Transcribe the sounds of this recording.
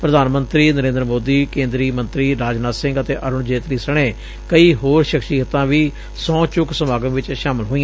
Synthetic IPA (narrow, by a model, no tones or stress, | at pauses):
pɾəd̪aːnmənt̪ɾiːnəɾẽːnd̪əɾmoːd̪iːkẽːnd̪ɾiːmə̃nt̪ɾiːɾaːd͡ʒnaːsɪ̃ŋɡət̪eːʔəɾʊɳd͡ʒeːt̪ɾiːsəɽ̃eː | kəiːɦoːɾʃəkʃiːɦət̪ãːʋiː | sɔ̃ːt͡ʃʊksəmaːɡə̃ːʋɪt͡ʃʃaːmɪlɦoːi